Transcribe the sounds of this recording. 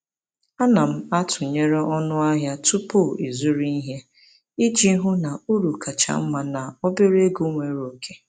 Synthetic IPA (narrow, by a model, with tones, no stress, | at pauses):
a˦na˨m̩˦a˦tʊ˨ɲe˦ɾe˦ɔ˦nʊ˦a˦ɦja˦tu˦pu˦i˨zu˦ɾi˦i˦ɦje˦ | i˦d͡ʒi˦ɦʊ˦na˨u˦ɾu˨ka˨t͡ʃa̰˨m̩˦ma˦na˨ɔ˦be˦ɾe˦ɡu˦ŋʷe˨ɾo˨kʰe˦